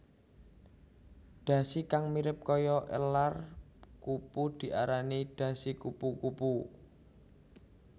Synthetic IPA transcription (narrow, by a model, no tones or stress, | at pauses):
ɖ̪̥ä̤sikaŋmiɾɪp̚kɔjɔʔə̰lar | kupud̪̥i̤ʔaɾaniɖ̥ä̤sikupukupu